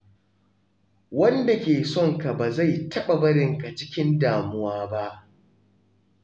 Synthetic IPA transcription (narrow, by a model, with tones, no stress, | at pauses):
wɐ˦nda˨kʲeː˨sɔ˦ŋka˨baː˨za˦˨jtʰɐ˦ɓa˨bɐ˦ɽɪ˨ŋka˨t͡ʃɪ˦kʲɪ˦ndaː˨mʊ˦waː˦ba˦ʔ